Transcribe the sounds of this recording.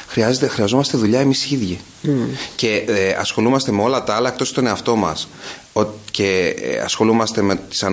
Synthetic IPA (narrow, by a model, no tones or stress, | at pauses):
xɾiɐzet̪exɾiɐzo̞mɐst̪eðuʎɐe̞misiðʝi | ce̞ɐ̰sxo̞lumɐst̪e̞me̞o̞lɐt̪ɐɐlɐekt̪o̞st̪o̞ne̞ɐft̪o̞mɐ̰s | ocḛɐ̰sxo̞lumɐst̪e̞met̪i̥sɐ